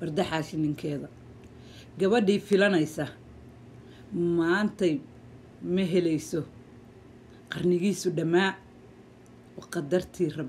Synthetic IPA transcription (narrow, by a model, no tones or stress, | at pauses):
bɐrd̪ɐħɑːʃɪnɪŋkʰɛːðɐ | ɡɐβɐɖiːfɪlɐnɛjsɐ | maːnt̪ʰɐj | mɐɦɛlɛjsɔ | qɑrnɪɣiːsʊɖɐmaː | ɔqɑd̪ɐrt̪ʰiːrɐb